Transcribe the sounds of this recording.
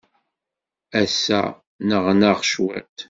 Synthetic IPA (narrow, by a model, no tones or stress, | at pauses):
æsːæ̰ | nəʁnəʁʃwḭt̪